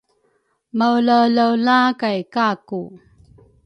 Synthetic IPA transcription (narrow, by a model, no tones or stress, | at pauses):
mawləwləwlakajkaku